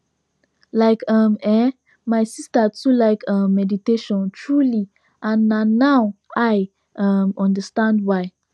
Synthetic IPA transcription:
laɪkʌmɛ | majsistətulaɪkʰʌ̃mːɛditeʃɔ̃ntʰɹuli | ʔãnːanːawaj | ʔʌmɔ̃ndəstãndwaɪ

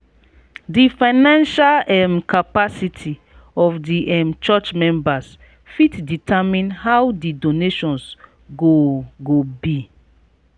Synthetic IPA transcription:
difãɪnãnʃalɛmkʰapasitʰi | ɔfdiʔɛmt͡ʃɔt͡ʃmɛ̃mbas | fitditʰamĩnhawdidoneʃɔ̃ns | ɡoɡobi

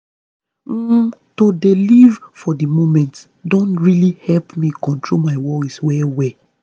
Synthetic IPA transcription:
todelivfɔdimomɛ̃nt | dõntɹilihɛlpmĩkɔ̃ntɹolmaɪwɔliswɛwɛ

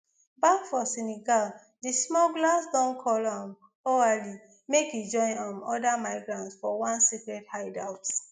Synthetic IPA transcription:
bakfɔsɛniɡal | dismɔɡlasdɔ̃nkʰɔlãm | oali | mekjud͡ʒɔ̃ɪ̃nãmɔdamaɪɡɹãntsfɔwãnsikɹɛdhaɪdaʊt

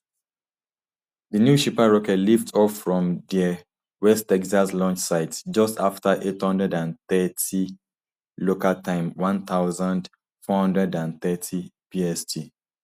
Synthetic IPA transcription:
ðənjuʃipaɹɔkɛtliftʰɔffɹɔ̃mðɛ | wɛstɛkzaslɔ̃nt͡ʃsaɪtsd͡ʒʌstaftəʔethʌ̃ndɹɛdãnθɛtʰi | lokaltʰãɪ̃mwãnθaʊzãnd | fɔhʌ̃ndɹɛdãnθɛtʰipiɛstʰi

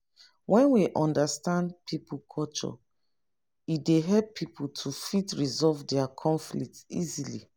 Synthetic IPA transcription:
wʔɛ̃nwiʔɔ̃ndastãndpʰipukʰɔt͡ʃɔ̰ | ideɦɛlpʰːiputʰufitɹizɔvdɛakʰɔ̃ɱflik̚tḭzilḭ

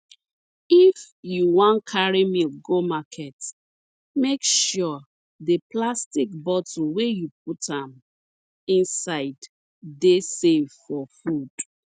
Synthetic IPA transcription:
if | juwãnkʰaɹimiɡomakʰɛt | mekʃɔ | deplastikbɔt̩ʰwejup̚utãm | ĩnsaɪd | desevfɔfud̥

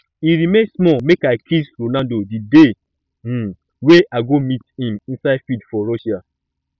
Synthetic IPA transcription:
iɾimẽnsmɔmekaɪkʰisɾonaldodide | weʔaɡomithĩmĩnsaɪfidfɔɾɔʃia

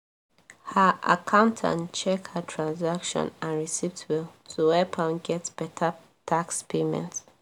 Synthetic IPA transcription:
həʔakʰãʊ̃ntʰã̰nt͡ʃɛkhətʰɹãnzakʃɔ̰̃nãnɹisivtʰwiltʰuwɛpʰãnɡɛtb̥ɛtʰa | tʰakspʰemɛ̰̃nt

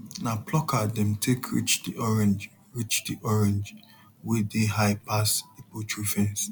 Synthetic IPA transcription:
napʰlɔkadɛ̃mtʰekʰɹḭt͡ʃdiʔɔɹɛ̃nd͡ʒ | ɹit͡ʃdiʔɔɹɛ̃nd͡ʒ | wɛdeɦaɪpasipotʰɹufɛ̃ns

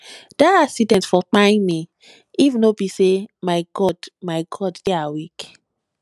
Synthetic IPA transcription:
d̥aasidɛ̃nsfɔtãɪ̃ni | ivnobisemaɪɡɔdmaɪɡɔddeawik

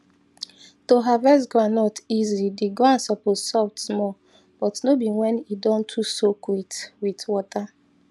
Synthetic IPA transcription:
toɦavɛs̬ɡɔãnːɔtizidiɡoãnsɔpozsɔtsmɔ | b̥ɔtnobiwɛ̃nidɔ̃ntʰusokwitwitwɔta

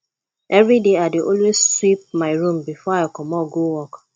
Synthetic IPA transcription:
ʔɛvɹideadeʔõlwesswip̚maɪɹũmbifɔaɪkɔmɔɡowɔk

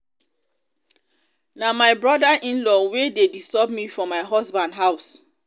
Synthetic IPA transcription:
namajbɹɔdaʔĩnlɔwededisɔbmifɹɔ̃maɪɦɔsbãndɦaʊs

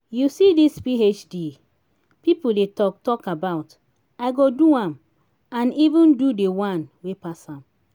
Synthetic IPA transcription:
jusidispiet͡ʃdi | pipoldetɔk̚tɔkabaʊt | aɪɡoduãm | ãnivĩndudewãnwepasãm

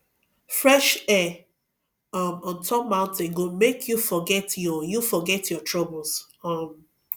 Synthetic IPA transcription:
fɹɛʃɛ | ʌmɔ̃ntʰɔp̚mãʊ̃ntẽnɡomekʰjufɔɡɛtjɔjufɔɡɛtjɔtʰɹɔbl̩ˠs | ʌm

